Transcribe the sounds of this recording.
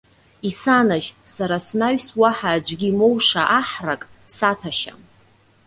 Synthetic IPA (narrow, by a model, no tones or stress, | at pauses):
isanaʒsaɾasnaɥswaħaːd͡ʒʷɡʲimowʂaʔaħrakʼsatʰaʃa̰m